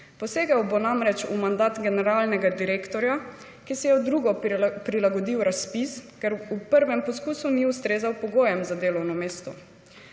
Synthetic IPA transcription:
pɔseːɡawbonamɾɛt͡ʃumand̪aːt̪ɡɛnɛɾaːlnɛɡad̪iɾeːkt̪ɔɾja | kisɛjɛwd̪ɾuːɡɔpɾilaɡɔd̪iwɾaspiskɛɾupəɾʋɛmpɔskuːsuniust̪ɾeːzawpɔɡoːjɛmzad̪eːlɔwnɔmeːst̪ɔ

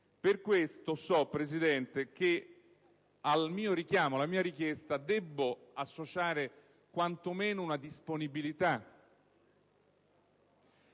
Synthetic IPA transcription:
perkwest̪osɔpːɾezid̪ɛnt̪ek̟e | almiːoɾik̟jaːmoalːamiːaɾik̟jest̪ad̪ɛbːoasːot͡ʃaːɾe | kwant̪omeːnounad̪isponibilit̪a

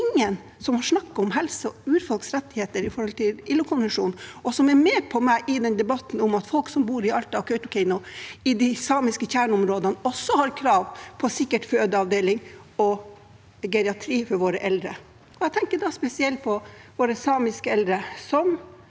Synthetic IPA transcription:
ɪŋːən | sɔmhɑʂnɑkːɔmɦɛlsəʉːɾfɔlksɾɛt̪ːɪheːt̪əɾɪfɔɾhɔlt̪ʰɪlɪlːʊkʰʊnʋənʂuːnɔsɔmɛɾmɛːpʰɔmæɪʔɪd̪ɛnd̪ɛbɑt̪n̩ʊmɑt̪fɔlksɔmbuːɾɪɑlt̪ɑʋkʰœʏt̪ʊkʰɛɪnʊɪd̪ɪsɑːmɪskəçæːɳɔmɾoːd̪ənəɔsːɔhɑɾkʰɾɑːʋpʰɔsɪkːəʈføːd̪əɑʋd̪eːlɪŋɔ | ɡɛɾɪɑʈ̪ʰɾiːfɔɾʋoːɾəʔɛld̪ɾə | ɔɛɪt̪ɛŋkəɖɑspɛsɪɛlt̪̚pʰɔʋoːɾəsɑːmɪskəɛld̪ɾəsɔm

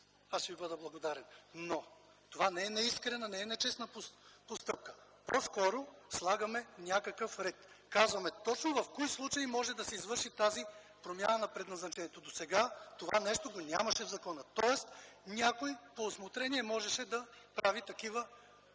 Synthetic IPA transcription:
aʃvibəd̪əblˠɐɡod̪aɾɛnno | t̪ovanɛɛnɛiskɾɛnɐnɛɛnɛt͡ʃɛsnɐpopost̪ɤp̚kə̥ | poskɔɾoslˠaɡɐmɛnʲakɐkəfɾɛt̪ | kazvɐmɛt̪ɔt͡ʃnovɐfkɔjslˠut͡ʃɐjimɔʒɛd̪ɐsɛizvɤɾʃit̪azi | pɾomja̰nɐnɐpɾɛd̪nɐznɐt͡ʃɛniɛt̪od̪osɛɡat̪ova̰nɛʃt̪oɡonʲa̰mɐʃɛvzɐkɔnət̪ɔɛst̪nʲakoipoːsmot̪ɾɛniɛmɔʒɛʃɛd̪ɐpɾavit̪ɐkivə

